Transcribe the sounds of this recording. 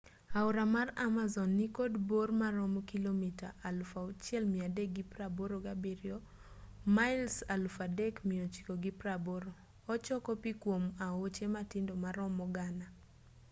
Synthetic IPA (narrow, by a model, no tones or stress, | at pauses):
aʊɾamaramazɔnːikodbormaɾɔmkilomita̰ʔalfaot͡ʃjɛlmiadeɡipɾaboɾoɡabiɾjɔ | maɪlsalfadɛkmiot͡ʃi̥koɡɪpɾaboɾoː | t͡ʃɔkɔpikwomaot͡ʃematɪndomaɾɔmɔɡana